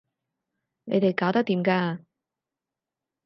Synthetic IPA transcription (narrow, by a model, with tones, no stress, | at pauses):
nḛ˨˧jt̪e˨˩jkaː˨˥wt̪ɐ˥k̚t̪iː˨˧˥mkaː˧